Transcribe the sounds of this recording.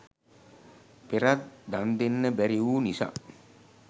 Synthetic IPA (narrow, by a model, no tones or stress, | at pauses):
peɾat̪̚d̪and̪enːəbæɾiʋuːnisa̰ː